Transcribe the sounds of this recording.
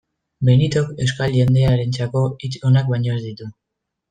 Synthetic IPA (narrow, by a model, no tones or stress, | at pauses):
menit̪o̞ke̞wskalʝe̞nd̪e̞aɾe̞nt͡sako̞it͡so̞nak̚bajɲo̞ezd̪it̪u